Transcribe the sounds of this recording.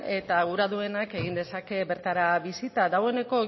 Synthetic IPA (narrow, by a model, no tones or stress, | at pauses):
e̞t̪aɣuɾaðue̞nake̞ɣind̪e̞sake̞βe̞ɾt̪aɾaβisit̪adawe̞ne̞ko̞